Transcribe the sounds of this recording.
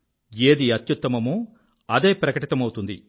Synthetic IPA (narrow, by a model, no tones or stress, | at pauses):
eːd̪iɐt̪jut̪ːɐmɐmuː | ɐd̪e̞ːpɾɐkɐʈit̪ɐmɐwut̪und̪i